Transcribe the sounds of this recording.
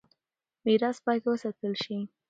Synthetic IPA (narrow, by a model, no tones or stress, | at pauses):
miɾɑspɑjt̪wəsat̪əlʃi